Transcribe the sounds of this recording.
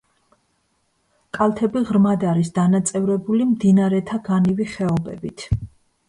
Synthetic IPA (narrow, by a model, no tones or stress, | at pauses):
kʼalˠt̪ʰɛbiʁɾmad̪aɾisd̪anat̪sʼɛvɾɛbulimd̪inaɾɛt̪ʰaɡaniviχɛɔbɛ̰bit̪ʰ